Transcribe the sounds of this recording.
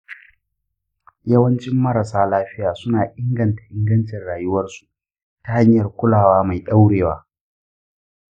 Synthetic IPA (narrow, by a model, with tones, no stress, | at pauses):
jɐ˦wɐ˦nt͡ʃɪ˦mːɐ˦ɾa˨saː˦laː˦ɸɪ˦jaː˨sʊ˦naː˨ʔɪ˦ŋɡɐ˨ntḁ˨ʔɪ˦ŋɡɐ˦nt͡ʃɪ˨rɽaː˨jʊ˦wɐ˦rsu̥˨ | ta˨ha˦ɲjɐ˨rkʷʊ˦laː˨waː˦ma˨jɗa˦wɽeː˨wa̰ː˦